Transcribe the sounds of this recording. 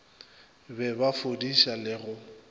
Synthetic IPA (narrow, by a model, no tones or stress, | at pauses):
bɛbafodiʃalɪɣʊ